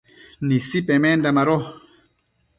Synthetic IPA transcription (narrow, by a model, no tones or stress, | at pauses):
nisipɛmɛndamaɾɔ